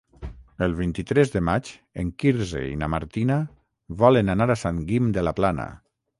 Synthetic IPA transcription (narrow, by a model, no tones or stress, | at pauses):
əlˠβ̞int̪it̪ɾɛzðəmat͡ʃ | eŋkiɾzḛḭna̰ma̰ɾt̪ina | βɔlənanaɾasaŋɡimd̪əlaplana̰